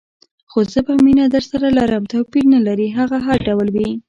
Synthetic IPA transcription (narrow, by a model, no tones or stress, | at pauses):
xozəbaminad̪əɾsaɾalaɾəmt̪awpiɾnalaɾiɦaɣaɦaɾɖawlwi